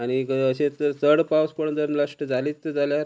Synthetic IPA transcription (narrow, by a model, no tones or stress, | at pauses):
aɽ̃ikəɕet̪əɾtəɽpawspəɳd͡zəɾmlaʂʈəd͡zʱaliːt͡s̪ːəd͡zʱaljaɾ